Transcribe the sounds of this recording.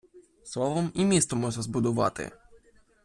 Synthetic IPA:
swɔvɔmimʲɛst̪ɔmɔʐnazbud̪ɔva̰t̪ɨ̰

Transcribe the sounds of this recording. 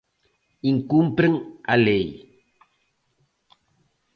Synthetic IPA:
iŋkumpɾəŋa̰lej

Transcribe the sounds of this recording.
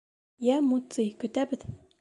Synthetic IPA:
jæmut̪sɨjkɵ̆t̪æbɘð

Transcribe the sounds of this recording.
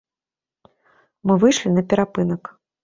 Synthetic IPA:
mɨvɨjʂlʲinɐpʲɛɾapɨnɐk

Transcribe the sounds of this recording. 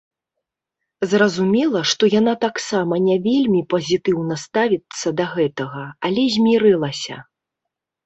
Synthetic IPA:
zrɐzumʲɛlˠɐʂt̪ɔjanat̪aksamɐnʲavʲelʲmʲipɐzʲit̪ɨwnɐst̪avʲit̪sːɐd̪ɐɣɛt̪ɐɣɐalʲɛzʲmʲiɾɨlˠɐsʲɐ̰

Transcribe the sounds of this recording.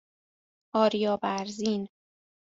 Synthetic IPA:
ɒːɾijɒːbæɾzin

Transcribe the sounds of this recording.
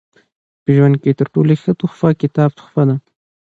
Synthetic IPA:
pəʒwand̪̚ket̪əɾʈolexət̪oxfɑkɪt̪ɑb̚t̪ə̥xfad̪a

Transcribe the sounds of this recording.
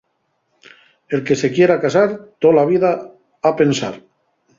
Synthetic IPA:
e̞lkese̞kje̞ɾakasaɾt̪olaβ̞iða | ape̞nsa̰ɾ

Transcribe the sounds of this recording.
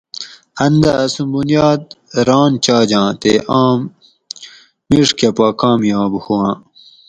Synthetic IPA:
ɐnd̪asũbunjɑːd̪̚ɾaːnt͡ɕaːd͡ʑãːt̪eaːm | iʂkepaːkãːmjãːbuhuwãː

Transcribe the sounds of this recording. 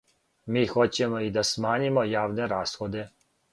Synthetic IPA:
miːxot͡ɕemoid̪asmaːɲimo̞jaːʋne̞ɾaːsxod̪e̞

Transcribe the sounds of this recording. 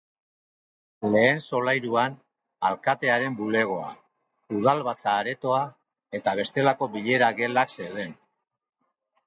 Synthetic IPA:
le̞ːnso̞lajɾuan | alkat̪e̞aɾe̞mbule̞ɣ̞o̞a̰ | uð̞alβat͡saːɾe̞t̪o̞a | e̞t̪aβ̞e̞st̪e̞lako̞βiʎe̞ɾaɣe̞lakseðe̞n

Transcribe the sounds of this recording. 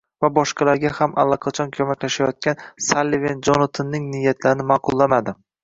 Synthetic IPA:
vabɒʃqɑlaɾɡʲahamʔalːɑqʰɑt͡ʃʰɒnkʲʰɵmakʲlaʃajɒ̰t̪̚kʲansalːivend͡ʒonot̪ʰʊnːɪŋnɪjːat̪ʰlaɾɪnɪmaqʰʊlˠːamad̪ɪ

